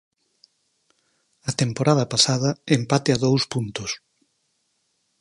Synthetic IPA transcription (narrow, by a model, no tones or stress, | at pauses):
ɐt̪empoɾaðɐpasaðɐempat̪eɐðowspunt̪ʊs